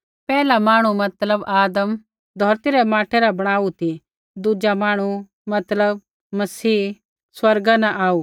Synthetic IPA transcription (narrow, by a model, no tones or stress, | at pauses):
pɛːlamaːɽ̃umɐt̪ləbaːd̪əm | d̪ʱɔːɾt̪iɾɛmaːʈʰɛɾabɐɽ̃aːut̪i | d̪ud͡ʒamãːɽ̃u | mɐt̪ləb̚ | mɐsiː | swɐɾɡanɛ̃ʔaːu